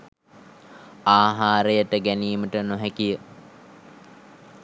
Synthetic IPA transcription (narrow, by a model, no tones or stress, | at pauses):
aːɦaːɾejəʈəɡæniːməʈənoɦækijə